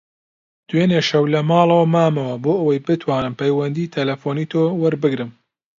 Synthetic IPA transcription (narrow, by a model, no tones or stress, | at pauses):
d̪̥weːneʃɐwlɐmɑːlˠɐwɐmaːmɐwɐboːʔɐwɐjbɨt̪ʰwaːnɨmpɐjwɐnd̪iːt̪ʰɐlɐfoːniːt̪ʰoːwɐɾbɨɡɾɨm